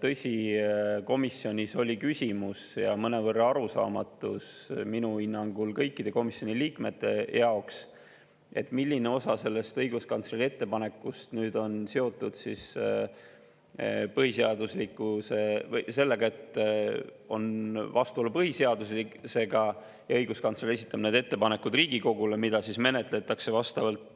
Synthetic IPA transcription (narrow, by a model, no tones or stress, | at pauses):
t̪ɤ̞sʲiko̞misːio̞nʲiso̞lʲikysʲimusjɑmɤne̞vɤrːɑɑɾusɑ̰ːmɑt̪ːˑusminuinːɑŋɡ̥ulkɤjkːˑid̪̥e̞ko̞misjo̞nʲiliːkme̞̰t̪ˑːe̞jɑoks | e̞̰t̪ːˑmilʲːine̞o̞sɑse̞lːe̞st̪ɤjɡ̥uskɑnt̪selie̞t̪ːe̞pɑne̞kːˑust̪nyːd̪̥o̞nseo̞t̪ːˑud̪̥sis | pɤhise̞ɑd̪uslikːˑuse̞vjse̞lːe̞ɡ̥ɑe̞t̪ː | o̞̰nvɑst̪uo̞lːupɤhise̞ɑd̪uslikse̞ɡɑ | jɑɤjɡ̥uskɑnseliesit̪ːˑɑmned̪e̞t̪ːe̞pɑne̞kːud̪riːɡiko̞ɡule̞mid̪̥ɑsisme̞ne̞t̪ˑle̞t̪ːˑɑkse̞vɑst̪ɑvɑlt̪